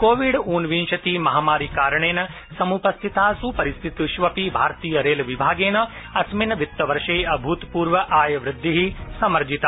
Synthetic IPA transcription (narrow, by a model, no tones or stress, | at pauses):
koːʋiɖuːnʋinʃɐt̪imɐɦaːmaːɾikaːɾɐɳeːnɐ | sɐmupɐst̪ʰit̪aːsupɐɾist̪ʰit̪iʃʋɐpibʱaːɾt̪iːjɐɾeːlɐʋibʱaːɡeːnɐ | ɐsminɐʋit̪ːɐʋɐɾʃeːɐbʱuːt̪puːɾʋɐʔaːjɐʋɾɪd̪ʱːiɦisɐmɐɾd͡ʒit̪a